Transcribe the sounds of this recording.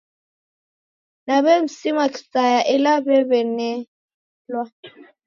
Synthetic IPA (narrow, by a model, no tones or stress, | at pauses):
naβɛm̩simaki̥sajaʔɛlabɛβɛnɛ | lwa